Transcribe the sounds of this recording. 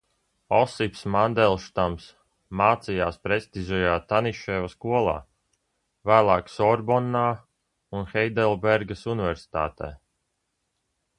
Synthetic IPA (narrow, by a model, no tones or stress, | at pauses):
ɔsifsmand̪ɛlˠʃt̪ams | maːt̪sijaːspɾesʲt̪izʲɛjaːt̪aniʃɛːvaskuɔlˠa̰ː | væːlˠaːksɔɾbɔnːaː | unxɛjd̪ɛlˠbɛɾɡasunivɛɾsi̥t̪a̰ːt̪ɛ̰ː